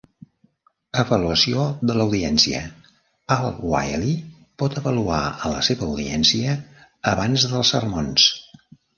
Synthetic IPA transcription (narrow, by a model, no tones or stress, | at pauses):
əβəluəsioðələwðiɛnsiə̰ | alˠwa̰jli | pɔt̪əβəlua̰ələ̰seβəːwðiɛnsiəː | βanzðəlˠsərmons